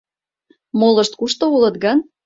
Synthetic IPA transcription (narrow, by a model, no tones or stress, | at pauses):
molɤʃt̪̚kuʃt̪oulɤ̆t̪̚ɡɑn